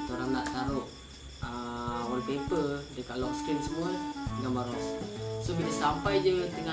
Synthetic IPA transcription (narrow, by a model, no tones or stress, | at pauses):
t̪oɾannaʔsaɾʊʔ | əwɔnpepəldəkaʔlɔŋstɾimsəmuaɡaŋbaŋɔssobitəsampajd͡ʒət̪əŋa